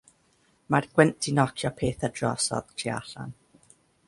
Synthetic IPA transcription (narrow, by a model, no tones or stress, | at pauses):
marɡ̥wɛntʰinɔkʰjɔpʰeːθədrɔsɔ̰ð̥tʰia̰ɬa̰n